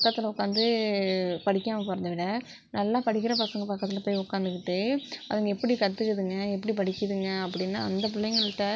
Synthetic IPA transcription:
ppɐkːɐt̪ːɪlɐʊkːaːnd̪ɯ | pɐɽɪkːaːmɐpoːɾɐnd̪ɐʋɪɽɐ | nɐlːãːpɐɽɪkːɪɾɐpɐsɐŋɡɐpɐkːɐt̪ːɪlɐpoːjʊkːaːnd̪ɯkɪʈːɯɐðɯŋɡɐɛpːɐɽikɐt̪ːɯkːɯðɯŋɡɐɛpːɐɽipɐɽɪkːɯðɯŋɡɐɐpːɐɽɪnːa̰ːɐnd̪ɐpʊlːɐjɐŋɡɐɭɪʈːɐ

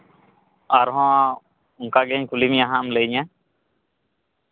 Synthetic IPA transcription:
aɾɦɔ̃ | uŋkaɡɛɲkulimjaɦamləjɲa

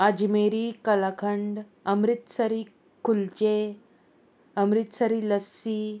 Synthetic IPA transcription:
ad͡ʑmeɾikəlakʰəɳɖ | əmɾit̪səɾiː | kult͡ɕe | əmɾit̪səɾiləsiː

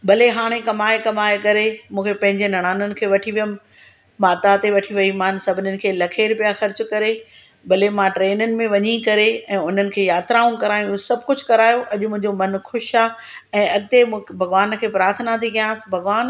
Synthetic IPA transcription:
bɐleɦaːɽ̃ẽkɐmaːekɐmaːekɐɾemũːkʰepɐ̃ɦɪ̃ɲd͡ʑenɐɽ̃aːnənɪ̆kʰeːʋɐʈʰiʋijəm | mãːt̪at̪eʋɐʈʰiʋɐimãːnsɐbʱɪnjənɪ̆kʰeːlɐkʰeːɾpijaxɐɾt͡ɕkɐɾe | bɐlemãʈɾeːnənɪ̆mẽʋɐɲikɐɾeɛ̃ːʊn̤ənɪ̆kʰeːjaːt̪ɾaːũkɐɾaːj̃ũsɐbʱkʊd͡ʑʱkɐɾaːjoʔɐʄʊmʊ̃ɦɪ̃ɲd͡ʑomɐnxʊʃaː | ɛ̃ːɐɠɪt̪emũːbʱɐɣʋaːnkʰeːpɾaːɾt̪ʰnat̪ʰikɐjãːsɪ̥bʱɐɣʋaːn

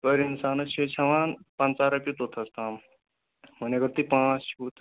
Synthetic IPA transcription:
pəɾinsaːnɐt͡ʃʰet͡ʃʰɐʋaːnpɐ̃nt͡saːɾɐpit̪ot̪ʰɐst̪aːm | mɐnekɐɾt̪ipãːt͡suːt̪

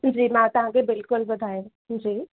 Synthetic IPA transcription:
d͡ʒiːmãt̪ɐɦãkebɪlkʊlbɐd̪ʱaːjẽ | d͡ʒiː

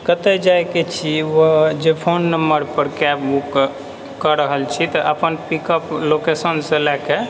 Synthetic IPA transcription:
kət̪ɛd͡ʒajket͡ʃʰiʋod͡ʒepʰonːəmbəɾpəɾkɛbbukː | əɾəɦəlt͡ʃʰit̪ɔʔəpənpikəplokesənsẽlɛke

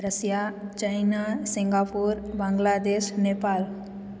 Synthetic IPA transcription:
ɾəsjat͡ɕajnasiŋɡapuɾbãŋɡlad̪eʃnepal

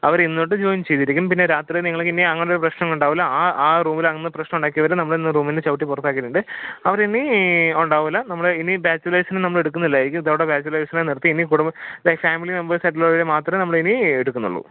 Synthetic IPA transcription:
ɐʋɐɾinːoʈːɨd͡ʑoːjnt͡ɕejt̪ːiɾikʲːummpinːeɾaːt̪rieniŋːɐɭkːinːiɐŋːɐneoɾuprɐɕnɐŋuɳɖaːʋɐlːɐaːaːruːmilɐŋnːɨprɐɕnɐmuɳɖaːkːijɐʋɐɾenɐmːɐɭenːɨruːminet͡ɕɐʋuʈːipurɐt̪ːaːkːiʈːuɳɖɨɐʋɐɾiniuɳɖaːʋɐlːɐnɐmːɐɭeinibaːt͡ɕːulɐjsɐnɨnɐmːɐɭe̞ɽukːunːilːɐeɾikʲːumiðaːʋuɽebjaːt͡ɕːulɐjsɐnanirt̪ːiinikuːɽumbɐfaːmilinembɐrsɐʈːɐloːʋilemaːt̪rɐmnɐmːɐɭeinieɽukːunːṵɭːṵ

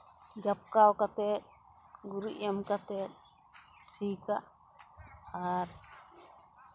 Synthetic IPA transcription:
d͡ʒap̚kawkat̪ɛt̪̚ | ɡuɾḭʔjamkat̪ɛt̪̚ | sikaʔ | aɾ

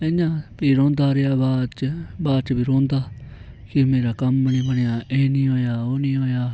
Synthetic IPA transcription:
ẽjãːbiːɾõːnd̪aːɾeaːbaːd̪t͡ʃbaːd̪t͡ʃbiːɾõːnd̪aː | kɪmeːɾaːkəmnĩːbəɳejaːʔeːnĩːɦoːjaːoːnĩːɦoːjaː

